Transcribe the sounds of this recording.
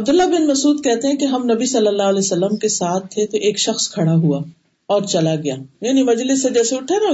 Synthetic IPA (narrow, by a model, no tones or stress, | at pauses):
ɐb̚d̪ʊlːabɪnmɐsuːd̪̚kɛɦt̪eɦɛ̃keɦɐmnɐbisɐlːəlːaːəlɛːsɐlːəmkesaːt̪ʰːet̪oʔeːkʃɐxskʰɐɽaɦuaː | ɔːɾt͡ʃɐlaɡɐja̰ːjaːnimɐd͡ʒlɪsːed͡ʒɛːseʊʈʰena